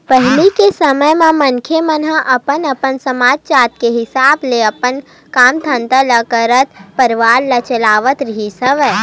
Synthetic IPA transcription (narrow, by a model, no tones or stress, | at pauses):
pɛɦlikesəməjmẽmɐnkʰemənãʔɐpənɐpənsəmaːd͡ʒt͡ʃaːt̪̚keɦɪsaːbleɐpən | kaːmt̪ʰə̃nt̪əlɐkəɾət̪̚pəɾʋaːɾlɐt͡ʃəlaːʋət̪ɾɦisəʋɛː